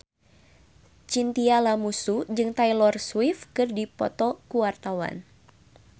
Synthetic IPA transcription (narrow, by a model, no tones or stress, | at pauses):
t͡ʃint̪ialamusud͡ʒɨŋt̪ajlɔrswifkɨrdipɔ̰t̪ɔkuwart̪awa̰n